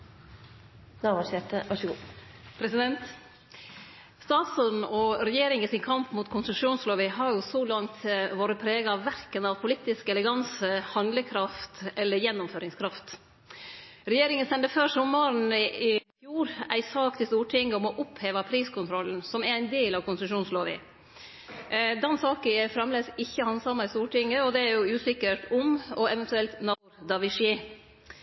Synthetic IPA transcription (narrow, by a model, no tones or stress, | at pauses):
nɑʋɑsɛt̪əɑʂɡu | pʰɾɛsɪd̪ɛnt̪ | st̪ɑːt̪sɔnɔɾɛjeːɾɪŋəsɪnkʰɑmpmuːt̪kʰʊnsʉʂuːnsloːʋɪɦɑɾjʊsɔlɑŋt̪ʋoːɾəpʰɾeːɡɑɑʋʋæɾkənɑʋpʰʊlɪt̪ːɪskɛləɡɑnsəhɑnd̪ləkʰɾɑft̪ɛlːəɾjɛnːʊmføːɾɪŋskʰɾɑft̪ | ɾɛjeːɾɪŋənst̪ɛnd̪əføsɔmːɑɾn̩ɪɪfjuːɾæɪsɑːkt̪ʰɪst̪uːʈʰɪŋːəɔmɔʔʊpheːʋɑpʰɾiːskʊnt̪ʰɾɔln̩sɔmæɾæɪnd̪eːlɑʋkʊnsəʃuːnsloːʋɪ̰ | d̪ɛnsɑːkəɛfɾɑmleːsɪçːəhɑnsɑmːɑɪst̪uːʈʰɪŋːəɔd̪ɛæɾjʊʉːsɪkəɾʈʊmɔɛʋɛnt̪ʉɛlt̪nɑɾd̪ɑʋɪʂɪ